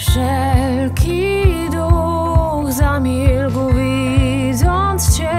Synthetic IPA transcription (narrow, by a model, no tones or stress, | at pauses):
ʂɛ | lkʲʰi | d̪u | xzamʲilkuvʲi | d̪zɔnt̪sɕɛ